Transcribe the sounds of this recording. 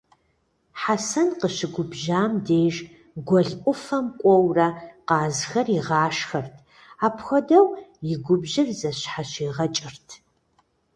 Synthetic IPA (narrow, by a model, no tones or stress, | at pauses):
ħasɐnqəɕɪɡʷʊbʒaːmdeːʒ | ɡʷɔɮʔʷʼʊfɐmkʷʼɔwrɐqɑːzxɐriʁɑːʃxɐrtʰ | aːpxʷɔdɐwjɪɡʷʊbʒɪrzɐɕħaɕeːʁɐt͡ʃʼɪrtʰ